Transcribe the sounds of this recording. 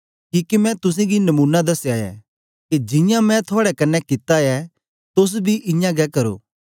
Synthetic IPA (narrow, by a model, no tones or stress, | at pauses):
kiːkimɛ̃t̪ʊs̬ẽɡinɐmuːnːad̪ɐsjaːjɛ̰ | ked͡ʒɪ̃jãmɛ̃t̪ʰoaːɽɛkɐnːɛkɪt̪ajɛ | t̪ʊs̬bʱiʔɪ̃jãɡɛkɐɾo̰ː